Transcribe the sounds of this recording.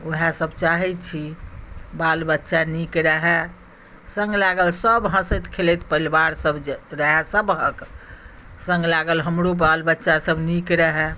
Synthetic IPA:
oɦasəbt͡ʃaɦɛt̪t͡ʃʰi | balbətːʃanikɾəɦɛ | sə̃ŋɡlaɡəlsəbɦə̃sət̪kʰelɛt̪pəilbaɾsəbɾəɦɛsəbɦək | sə̃ŋɡlaɡəlɦəmɾobalbətːʃasəbnikɾəɦɛ

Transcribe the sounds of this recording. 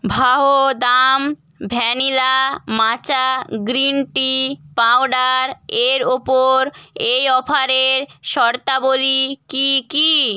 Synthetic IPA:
bʱaɦod̪am | bʱɛnilamat͡ɕaɡɾinʈipawɖaɾeɾopoɾejɔpʰaɾeɾʃɔɾt̪abolikiki

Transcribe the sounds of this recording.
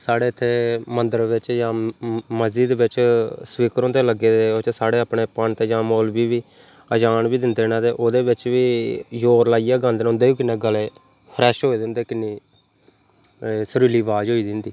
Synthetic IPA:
saːɽeːɪt̪ʰːeːmənd̪əɾʋɪt͡ʃjãːməziːd̪ʋɪt͡ʃsʋiːkəɾõːt̪eːləɡeːd̪eːot͡ʃsaːɽeːaːpɳeːpəɳt̪ed͡ʒãːmoːlbiːʋiː | əd͡ʒaːnbiːd̪ɪnd̪eːnãːd̪eːʔoːd̪eːʋɪt͡ʃʋiːjoːɾlaːijaːɡãːnd̪enʊnd̪eːiːkɪnːeːɡəleː | pʰəɾɛːʃɦoːiːd̪ɪnd̪eːkɪnːiː | səɾiːliːʋaːd͡ʒɦoːiːd̪ɪnd̪iː

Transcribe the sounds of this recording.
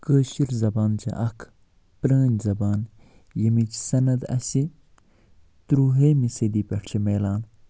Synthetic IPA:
kəːʃiɾzɐbaːnt͡ʃʰɐ̰ʔɐkʰ | pɾəːnʲzɐbaːn | jɐmit͡ʃsɐnɐd̪ɐ̰si | t̪ɾuːɦeːmised̪iːpʲɐʈt͡ʃʰimeːlaːn

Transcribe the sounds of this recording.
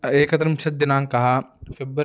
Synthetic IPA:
eːkɐt̪ɾɐmʃɐt̪̚d̪ɪnaːŋkɐɦafɪb

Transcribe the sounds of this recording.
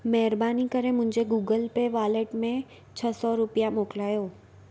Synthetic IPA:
mɛɦɪɾbaːnikəɾẽmʊ̃ɦɪ̃ɲd͡ʑeɡuːɡəlpeʋaːleːʈmẽ | t͡ɕʰəsɔɾʊpijamoːklaːjoː

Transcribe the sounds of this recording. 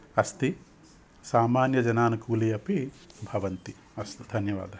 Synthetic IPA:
ɐst̪i | saːmaːnjɐd͡ʒɐnaːnukuːlijɐpi | bʱɐʋɐnt̪i | ɐst̪id̪ʱɐnjɐʋa̰ːd̪ʱɐ

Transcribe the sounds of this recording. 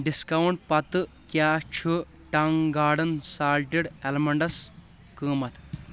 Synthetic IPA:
ɖiskɐwɳʈ̚pɐt̪ɨ | kjaːt͡ʃʰu | ʈɐŋɡaːɽɐnsaːlʈiɽelmɐɳɖɐs | kɨːmɐt̪ʰ

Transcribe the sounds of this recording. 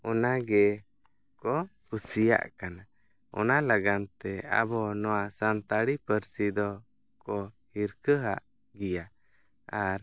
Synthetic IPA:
ɔnaɡɛ | kɔpusija̰ʔkana | ɔ̰nalaɡant̪ɛa̰bɔnɔwaʔsant̪aɽipəɾsid̪ɔ | kɔ | hiɾkəɦa̰ʔ | ɡija | aɾ

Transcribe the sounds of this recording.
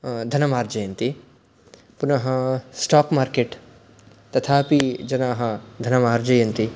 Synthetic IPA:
d̪ʱɐnɐmaːɾd͡ʒɐjɐnt̪i | punɐɦɐsʈaːpmaːɾkeːʈ | t̪ɐt̪ʰaːpid͡ʒɐnaːɦɐd̪ʱɐnɐmaːɾd͡ʒɐjɐnt̪i

